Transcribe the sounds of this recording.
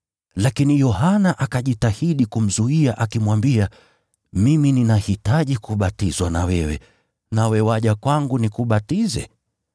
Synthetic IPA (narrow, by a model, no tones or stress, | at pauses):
lakinijɔhanaʔakaʄitahiɗikum̩zuiaʔakimwambia | mimininahitaʄikuɓatizwana̰wɛwɛ̰ | nawɛwaʄakwaŋɡunikuɓatizɛ̰